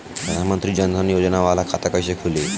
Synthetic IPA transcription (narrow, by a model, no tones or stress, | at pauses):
pɾəd̪ʱanmənt̪ɾiːd͡ʑənd̪ənjod͡znaʋalakʰat̪akəjɕekʰule